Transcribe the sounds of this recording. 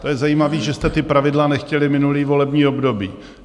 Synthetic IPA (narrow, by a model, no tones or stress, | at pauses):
t̪ojɛzajiːmaviːʒɛst̪ɛt̪ɪpɾavɪdlanɛxcɛlɪmɪnuliːvo̞lɛbɲiːobdo̞biː